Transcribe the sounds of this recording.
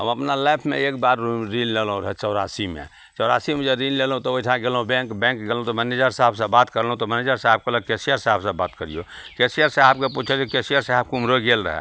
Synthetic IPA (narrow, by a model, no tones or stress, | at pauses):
ɦəməpnalajpʰmḛek̚baɾɾillelɦũɾəɦɛt͡ʃəʊɾasimḛ | t͡ʃɔʊɾasimẽd͡ʒeɾinlelɦũt̪ɔoiʈʰãɡelɦũbɛ̃ŋkbɛ̃ŋkɡelɦõũt̪ɔməned͡ʒəɾsaɦəbsə̃bat̪kəɾlɦũt̪ɔməned͡ʒəɾsaɦəb̚keləɡ̚kesijəɾsaɦəbsə̃bat̪kəɾḭjo̰kesijəɾsaɦəb̚keput͡ʃʰəd͡ʒekesijəɾsaɦəb̚kumɾoɡelɾə̰ɦɛ̰